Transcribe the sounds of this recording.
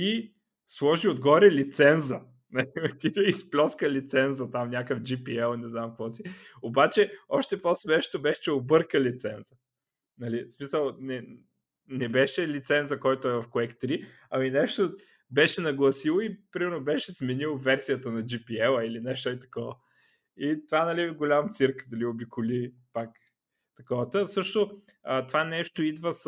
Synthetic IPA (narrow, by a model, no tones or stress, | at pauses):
t̪i | slˠɔʒiod̪ɡɔɾɛlit̪sɛnzɐ | nɐlit̪it̪ɛisplʲɔskəlit̪sɛnzɐt̪amnʲakəfd͡ʒipiɛlˠnɛznamkvɔsiobat͡ʃɛɔʃt̪ɛpɔsmɛʃt̪obɛʃɛ̥t͡ʃɛobɤɾkəlit̪sɛnzə | nɐlismisəlˠnɛ | nɛbɛʃɛlit̪sɛnzɐkɔjt̪oɛvɐfkoɛkt̪ɾi | ɐminɛʃt̪o | bɛʃɛnɐɡlˠɐsilˠoipɾimɛɾnobɛʃɛsmɛnilˠvɛɾsijət̪ənɐd͡ʒipiɛlˠilinɛʃt̪oit̪ɐ̥kɔvə | it̪ovanɐliɡolʲamt̪siɾkd̪ɐliobikʊli | pak | t̪ɐkɔvət̪əsɤʃt̪o | ət̪ovanɛʃt̪oid̪vəs